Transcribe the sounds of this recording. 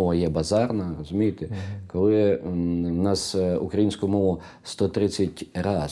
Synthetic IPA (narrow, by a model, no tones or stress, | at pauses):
ɔʋɐjɛbɐzɑrnɐrɔzʊmʲijet̪ekɔlˠɪ | nɑsukɾɐjinsʲkʊmɔʋʊ | st̪ɔt̪ɾɪt͡sʲːɐtʲɾɑ